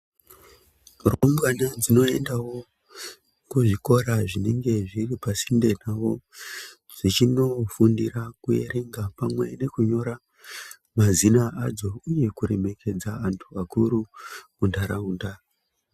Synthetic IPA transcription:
rombwanad͡zino̞e̞ndawo̞ | kuʐiko̞ɾaʐine̞ŋɡe̞ʐiripasinde̞nawo̞ | ʐ̥it͡ʃino̞fundirakuje̞̰ɾʔe̞ŋɡapamwe̞̰ne̞kuɲo̞ɾa | mazinaːd͡zo̞uje̞kuɾe̞me̞ke̞d͡zaantʰuakuɾu | undʱaɾauːnda

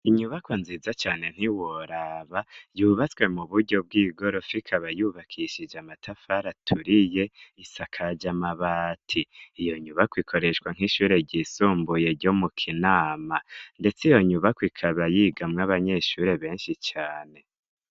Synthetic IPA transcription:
iɲuβakwonziːzat͡ʃaːne̞n̥iwoɾaβajuːβat͡swe̞muβuɾɟo̞b̚ɡiːɡo̞ɾo̞fikʰaβajuːβakʰiʃid͡ʒamatʰafaɾatʰuɾije̞isakʰad͡ʒamaβaːtʰiːjo̞ɲuβakwikʰo̞ɾe̞ʃkwaŋ̥ɦiʃuːɾe̞ɟisuːmbuje̞ɾɟo̞mukʰinaːmande̞t͡sijo̞ɲuβakwikʰaβajiɡamŋaβaɲeʃuːɾe̞βe̞ːnʃit͡ʃaːne̞

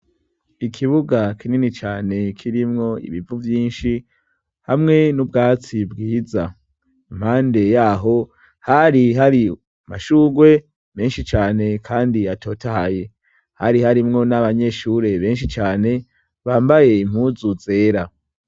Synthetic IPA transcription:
ikʰiβuɡakʰininit͡ʃaːne̞kʰiɾimŋo̞ḭβivuvjiːnʃi | hamŋe̞nubɡaːt͡sibɡiːza | imhaːnde̞jaːɦo̞ | haɾiɦaɾi | ma̰ʃuːɡwe̞ | me̞ːnʃit͡ʃaːne̞kʰaːndiatʰo̞tahaje | haɾihaɾimŋo̞naβaɲe̞ʃuɾe̞βe̞ːnʃit͡ʃaːne̞ | βaːmbaje̞im̥huːzuze̞ːɾa

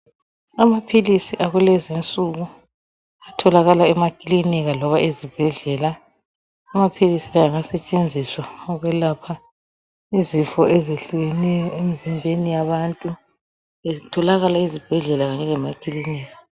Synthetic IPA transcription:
amapʰilisiʔaɣulɛzint͡sʼuɣu | atʰɔlaɣalaɛmakʼiliniɣalɔβaezib̥ʱɛɮɛlaː | mapʰilisiajaŋasɛt͡ʃʼend͡zʱiswaɔɣwɛlapʰa | izifɔezeɬuɣɛnɛjɔem̩zimbʱenijaβantʼu | ezitʰɔlaɣalaizib̥ʱɛɮɛlaɣaɲɛlɛmakʼiliniːɣa

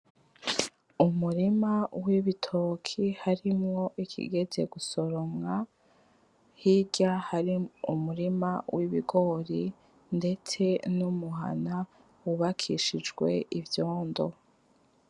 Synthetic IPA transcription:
umuɾimawiβitʰokʰihaɾimŋo̞ʔikʰḭɡe̞ze̞ɡusoɾomŋa | hiɟahaɾiumuɾimawʔiβiɡo̞ɾi | nde̞t͡se̞numuɦa̰na | wuβakʰiʃid͡ʒɡwe̞ivjo̞ːndo̞̰

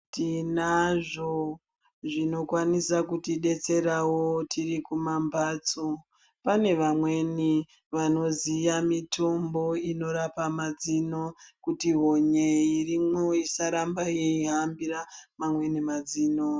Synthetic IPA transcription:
tinaʐo | ʐino̞kwanisakutiɗe̞t͡se̞ɾawotʰirikumambʱat͡so | pane̞ʋamwe̞ni | ʋano̞zijamitʰo̞mbo̞ino̞ɾapamad͡zino̞kutiɦoɲeirimoisaɾambajeiɦambiɾamamwe̞nimad͡ziːno

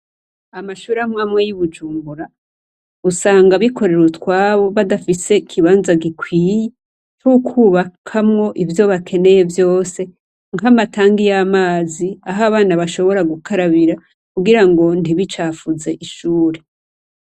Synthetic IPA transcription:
amaʃuːɾamŋaːmŋwejuβud͡ʒuːmbuɾa | usaːŋɡaβikʰo̞ɾe̞ɾutkwaːβo̞βadafise̞kʰiβaːnzaɡikʰwiːje | t͡ʃukʰuβakʰamŋo̞ʔivjo̞βakʰe̞ne̞je̞vjo̞ːse̞ | ŋɡamatʰaːŋɡijamaːziaɦaβaːnaβaʃo̞βo̞ɾaɡukʰaɾaβiɾa | kuɡiɾaŋɡo̞ndiβit͡ʃaːfuze̞ʔiʃuːɾe̞

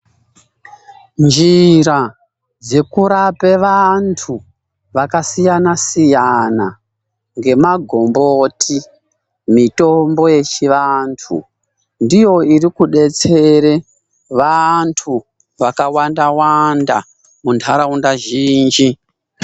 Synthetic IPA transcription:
nd͡ʒiɾa | d͡ze̞kuɾape̞ʋantʰu | ʋakasijanasijana | ŋɡe̞maɡʱo̞mbotʰi | mito̞mbo̞je̞t͡ʃiʋantʰṵ | ndijo̞irikuɗe̞t͡se̞ɾe̞ | ʋantʰu | ʋakawandawanda | muntʰaɾaundaʒiːnd͡ʒi

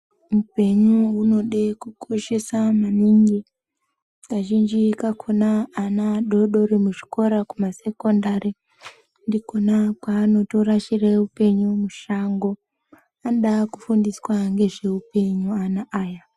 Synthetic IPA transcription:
mupe̞ɲuuno̞ɗekukʰo̞ʃe̞samaniŋɡi | kaʒind͡ʒikakʰonaːnaɗoɗo̞ɾimuʐi̥ko̞ɾakumase̞ko̞ndaɾi | ndiko̞nakwaːno̞toɾaʃireupe̞ɲumuʃaŋɡo̞ | anoɗakufundiswaŋɡe̞ʐe̞upe̞ɲuanaʔaːja

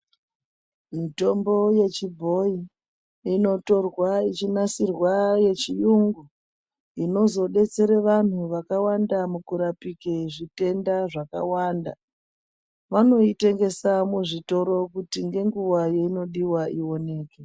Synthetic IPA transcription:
mito̞mbo̞je̞t͡ʃibʱo̞i | ino̞to̞rwait͡ʃinasirwaje̞t͡ʃijuŋɡu | ino̞zo̞ɗe̞t͡se̞ɾeʋan̤uʋakawandamukuɾapikeʐite̞ndaʐaka̰waːnda̰ | ʋano̞ite̞ŋɡe̞samuʐito̞ɾo̞kutiŋɡe̞ŋɡuwajo̞ino̞ɗiwaiwo̞ne̞ːke

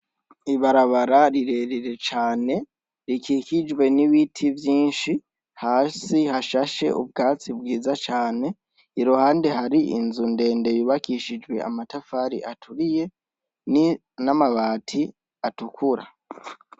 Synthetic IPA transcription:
iβaɾaβaɾaɾiɾe̞ɾiɾe̞t͡ʃaːne̞ | ɾikiːkid͡ʒwe̞niβitʰivjiːnʃi | haːsihaʃaʃe̞̰ʔṵbɡaːt͡sibɡiːzat͡ʃaːne̞ | iɾohaːnde̞ɦaɾiḭnzunde̞ːnde̞jiβakiʃid͡ʒwe̞̰a̰matafaːɾḭʔatʰuɾije̞ | ni | namaβaːtʰi | atukuɾa̰

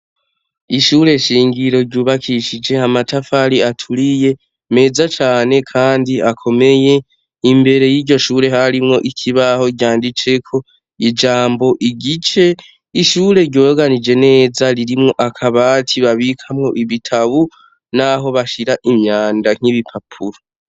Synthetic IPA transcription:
iʃuɾe̞ʃiːŋɡiɾo̞ɾɟuːβakʰiʃid͡ʒe̞amatafaɾiatʰulije̞ | me̞ːzat͡ʃaːne̞kʰaːndiakʰo̞me̞je̞ | imbe̞ɾe̞jiːɟo̞ʃuːɾe̞ɦaɾimŋo̞ʔikʰiβaho̞ɟjaːndit͡ʃe̞kʰo̞ | id͡ʒaːmbo̞ʔiɡit͡ʃe̞ | iʃuːɾe̞ɾɟo̞ːjoɡanid͡ʒe̞ne̞ːzaɾiɾimŋo̞ʔakʰaβatʰiβaβikʰamŋo̞ʔiβitʰaβu | naɦo̞βaʃiɾaʔimɲaːndaŋ̥iβipʰapʰuɾo

